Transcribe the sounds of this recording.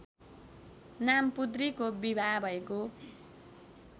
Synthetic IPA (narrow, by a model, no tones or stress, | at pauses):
nampud̪rikobibʱabʱʌeko